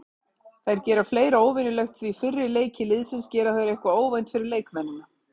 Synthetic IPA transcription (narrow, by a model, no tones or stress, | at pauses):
θajɾ̥cɛːɾḁfleːjɾaoːwvɪnʏlœɥxt̪θvifɪrːɪleːjcɪlɪðsɪnscɛːɾaθajɾɛhkvaoːwvejnt̪fɪɾɪɾleːjkmɛnːʏna